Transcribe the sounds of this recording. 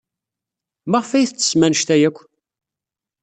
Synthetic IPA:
maʁfæjθt͡sːə̥smænəʃt̪æjækʷː

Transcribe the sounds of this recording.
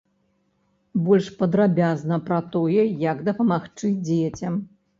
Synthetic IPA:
bɔlʲʂpɐd̪ɾabʲaznɐpɾɐt̪ɔjɛjɐɡd̪ɐpɐmaxt͡ʂɨd͡zʲet͡sʲɐm

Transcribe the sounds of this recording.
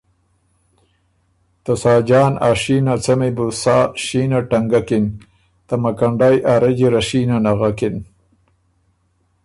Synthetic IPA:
t̪asaːd͡ʒaːna̰ːʂiːnat͡sɐmebusaːʃiːnaʈaŋɡakɪn | t̪amakaɳɖajʔaɾed͡ʒiɾaʃiːnanaɣakɪn

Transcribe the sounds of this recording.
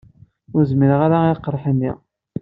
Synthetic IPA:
ʊɾzməɾəʁaɾaiqːəɾˤħənːḭʁ

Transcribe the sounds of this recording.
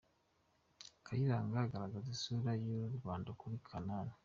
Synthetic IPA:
kajiɾaːŋɡaɡaɾaɡazisuɾajuɾuɾɡwaːndakuɾikʰanana

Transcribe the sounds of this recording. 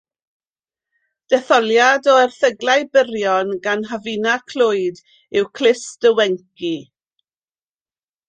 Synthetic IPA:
d̥ɛθɔlˠjadɔɛrθəɡlˠajbəɾjɔnɡanɦavinakʰl̥ʊɨd | ɪwkʰl̥ɪsd̥əwɛŋki

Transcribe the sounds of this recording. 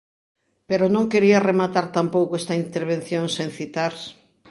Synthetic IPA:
peɾonõŋkeɾiɐremat̪aɾt̪ampowkoest̪aint̪eɾβ̞ẽn̟θjoŋsẽŋθit̪aɾs

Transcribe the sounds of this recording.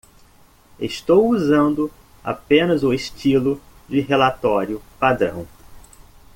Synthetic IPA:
ḛst̪owuzɐ̃nd̪ʊ | a̰pẽnɐzʊeʃt͡ʃilʊ | d͡ʒɪɦelat̪ɔɾjʊpad̪ɾɐ̰̃w̃

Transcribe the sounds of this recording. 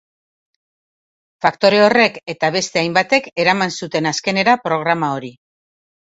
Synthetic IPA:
fakt̪o̞ɾe̞o̞re̞ke̞t̪aβe̞st̪e̞ajmbat̪e̞ke̞ɾamansut̪e̞naske̞ne̞ɾapɾo̞ɣ̞ɾamao̞ɾi

